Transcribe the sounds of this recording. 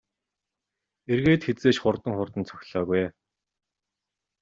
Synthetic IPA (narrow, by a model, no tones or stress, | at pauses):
erɣeːt̪xet͡seːʃχʊrt̪ə̆ŋχʊrt̪ə̆nt͡sʰœ̥xʲɮɔːɣuj